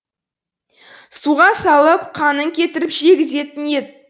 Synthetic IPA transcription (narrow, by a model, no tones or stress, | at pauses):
suʁɑsɑlˠəpqʰɑnəŋkʲʰe̞t̪ɪɾɪpʒe̞ɡʲɪze̞t̪ɪnjet̪̚